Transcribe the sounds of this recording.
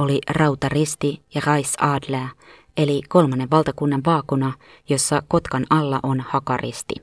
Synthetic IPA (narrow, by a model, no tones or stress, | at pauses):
olirɑut̪ɑrist̪ijɑrɑisɑːdlæː | e̞liko̞lmɑnːeʋʋɑlt̪ɑkunːɑʋʋɑːkunɑ | jo̞sːɑko̞t̪kɑnɑlːɑ̰ʔo̞nhɑkɑrḭst̪ḭ